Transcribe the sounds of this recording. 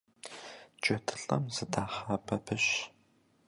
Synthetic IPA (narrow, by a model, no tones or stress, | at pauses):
t͡ʃʼɐtʰɨ̥ɬʼɐmzɨdʰaːχɐːpʰɐpʰɨɕ